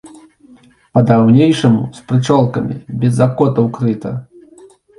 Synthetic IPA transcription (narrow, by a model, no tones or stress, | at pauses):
pɐd̪awnʲejʂɐmṵspɾɨt͡ʂɔlˠkɐmʲḭbʲɛzːakɔt̪ɐwkɾɨt̪ɐ̰